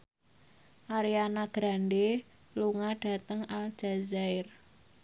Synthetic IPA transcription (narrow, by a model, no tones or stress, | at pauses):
ʔaɾianaɡ̥ɾande | luŋaɖ̥a̤t̪əŋald͡ʒ̥azaɪr